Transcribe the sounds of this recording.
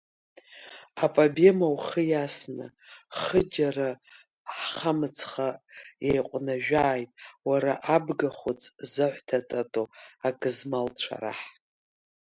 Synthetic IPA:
apʼabemawχəjasnɨ̰ | χəd͡ʒara | ħχamɨt͡sʰχajejqʷʼnaʒᶣaːjtʼwaɾaʔabɡaχʷot͡sʼzɨħʷtʰatʼatʼoakʼɨzmalt͡ʃʷʰa̰ɾa̰ħ

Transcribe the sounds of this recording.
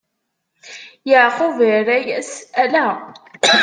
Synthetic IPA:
jəʕqʊvəɾæjæsælæ

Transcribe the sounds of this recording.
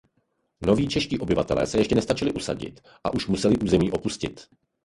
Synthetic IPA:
no̞viːt͡ʃɛʃciːʔo̞bɪvat̪ɛlɛ̰ːsɛjɛʃcɛnɛst̪at͡ʃɪlɪʔusa̰ɟɪ̰t̪ | ʔa̰ʔuʃmusɛlɪʔuːzɛmiːʔo̞puscɪ̰t̪

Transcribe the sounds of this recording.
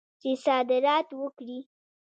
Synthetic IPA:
t͡ʃesɑd̪ɪɾɑt̪wəkɽi

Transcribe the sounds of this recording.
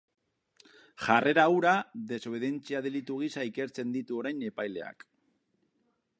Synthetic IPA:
ʝarʔe̞ɾaːwɾaðe̞so̞β̞e̞ðent͡siaðelit̪uɣ̞isaike̞ɾt͡se̞nd̪it̪uo̞ɾajne̞pajle̞a̰k

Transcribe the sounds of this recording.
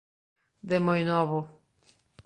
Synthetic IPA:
d̪emojnɔβʊ

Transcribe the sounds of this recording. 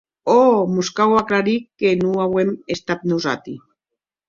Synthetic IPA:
omuskawaklaɾikːenuawemest̪at̪̚nuza̰t̪i

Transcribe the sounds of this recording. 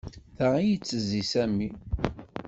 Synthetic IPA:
θæʁijət͡sːəzisæmːi

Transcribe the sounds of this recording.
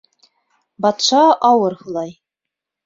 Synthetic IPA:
bɑt̪ʃɑʔɑwɤɾhulˠɑj

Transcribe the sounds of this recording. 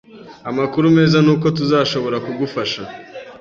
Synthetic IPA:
amakuɾume̞ːzanuːko̞t̬uzaːʃo̞βo̞ɾakuɡufaʃa

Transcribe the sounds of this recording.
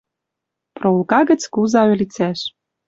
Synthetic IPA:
proulkɑɣə̆t͡skuzɑø̆lʲit͡sæʃ

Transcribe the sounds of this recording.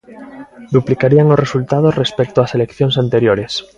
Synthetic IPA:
d̪uplikaɾiaŋosresult̪að̞osrespek̚t̪oaselekθjonsant̪eɾjoɾes

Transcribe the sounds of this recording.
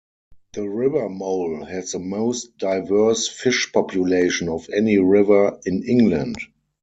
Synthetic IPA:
ðəɹɪvə˞moʊlhɛzðəmoʊstd̥aɪvɜ˞sfɪʃpʰɔpʰjuleɪʃə̃nɔfɛniɹɪvə˞ɪ̃nɪ̃ŋɡlə̃nd

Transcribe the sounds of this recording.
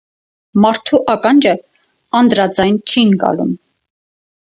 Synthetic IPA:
mɑɾt̪ʰuʔɑkɑnd͡ʒə | ɑnd̪ɾɑd͡zɑjnt͡ʃʰinɡɑ̰lṵm

